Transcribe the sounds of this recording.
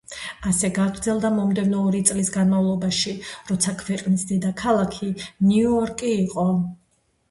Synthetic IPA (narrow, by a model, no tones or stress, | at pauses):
asɛɡaɡɾd̪zɛlˠd̪amɔmd̪ɛvnɔːɾit̪sʼlisɡanmavlˠɔbaʃiɾɔt̪sʰakʰvɛqʼnisd̪ɛd̪akʰalˠakʰinuɔɾkʼiːqʼɔ